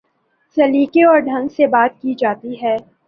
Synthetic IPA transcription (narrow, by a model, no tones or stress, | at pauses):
sɐliːkeɔːɾɖʱɐ̃ŋɡsebaːt̪̚kid͡ʒaːt̪iɦɛː